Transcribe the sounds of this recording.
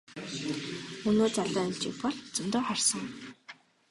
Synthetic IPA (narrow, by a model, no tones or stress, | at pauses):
unoːt͡saɮăːɮt͡ɕḭkpɔɮt͡sɵ̆mt̪ʊːχarsə̆ŋ